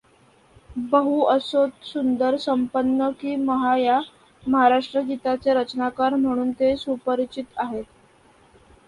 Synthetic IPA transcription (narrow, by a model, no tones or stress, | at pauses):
bəɦuəsot̪sund̪əɾsəmpənːəkiːməɦaja | məɦaɾaʂʈɾəɡit̪at͡seɾət͡ɕnakaɾm̤əɽ̃uːnt̪esupəɾit͡ɕit̪aɦet̪